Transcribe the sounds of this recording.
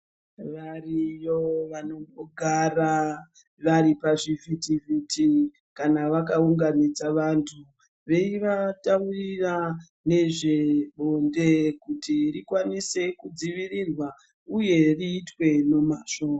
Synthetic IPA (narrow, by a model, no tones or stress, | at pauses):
ʋarijoʋano̞ŋɡoɡʱara | ʋaɾipaʐivitiviti | kanaʋakauŋɡanid͡zaʋantʰu | ʋe̞iʋataurira | ne̞ʐe̞ɓondekutirikwanise̞kud͡ziʋirirwa | uje̞riːtwe̞no̞maʃoːa